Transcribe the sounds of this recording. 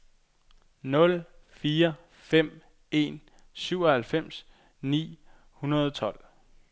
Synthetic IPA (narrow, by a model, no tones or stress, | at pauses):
nɔ̽lfiːɐ | fem̰ | e̝n | syʊɒhælfem̰s | nḭː | hunɐðˠɒt͡sʰɒ̽l̰